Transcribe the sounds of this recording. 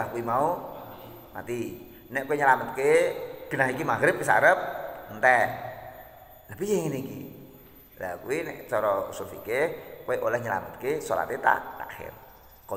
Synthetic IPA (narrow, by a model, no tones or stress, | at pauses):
akuimau | ma̰t̪i | nɛʔkoeɲəlamət̪̚keb̥i̤naɦikimaɡɾɪp̚isa̰ɾəp̚nt̪ɛ | ləbijeŋinikḭ | la̰kuwinɛ̰ʔt͡ʃɔɾɔ̰sufḭkekoeʔolɛhɲəla̰mət̪̚kesola̰t̪et̪a̰ʔla̰xɪ̰r | kɔ